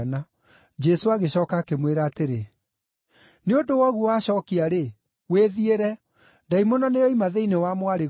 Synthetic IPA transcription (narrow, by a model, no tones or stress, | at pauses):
na | d͡ʒɛsoaɣeɕɔːkaːkemweɾaːteɾe | neondowɔɣuwaɕɔːkiaɾe | weðieɾɛ | ndaimonɔnejɔimaðeinewamwaɾe